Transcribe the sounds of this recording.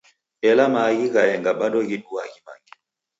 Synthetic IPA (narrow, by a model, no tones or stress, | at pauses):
ɛlamaɣiɣajɛŋɡaɓaɗɔɣiɗuaɡima̰ŋɡi